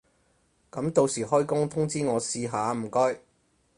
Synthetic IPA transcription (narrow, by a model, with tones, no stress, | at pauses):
kɐ˨˥mt̪o˧wsiː˨˩ɦɔː˥jkʊ˥ŋt̪ʰʊ˥ŋt͡siː˥ŋɔː˨˧siː˧ɦaː˨˧m̩˨˩kɔː˥j